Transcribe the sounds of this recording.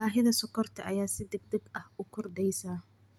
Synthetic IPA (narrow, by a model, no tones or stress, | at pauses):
aːɦɪðɐsɔkʰɔrt̪ʰɐʔɐjaːsɪd̪ɪɡ̚d̪ɐɡɐhʔʊkʰʊrɖ̪ɛjsaː